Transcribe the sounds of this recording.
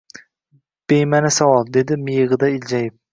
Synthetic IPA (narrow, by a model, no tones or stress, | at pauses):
b̥ejmanɪsawɒlˠd̪e̞d̪ɪmɪjɨʁɨd̪aɪld͡ʒajɪp̚